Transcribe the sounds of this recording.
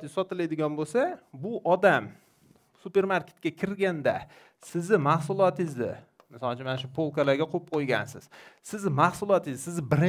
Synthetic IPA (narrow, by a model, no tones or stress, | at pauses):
t̪ɪsɒt̪ɪlad̪ɪɡʲɒnbolsabʊʔɒd̪am | sʊpe̞ɾmaɾkʲe̥t̪kʲakʲʰɪɾɡʲand̪a | sɪzɪmahsʊlˠɒt̪ɪzd̪ɪ̰ | mɪsɒlˠt͡ʃʰʊnmanaʃ̬ʊpʰolˠkalaɾɡʲaqʰop̚qʰojɡʲa̰nsɪz̥sɪzɪmahsʊlˠɒt̪ɪzsɪzbɪɾɪ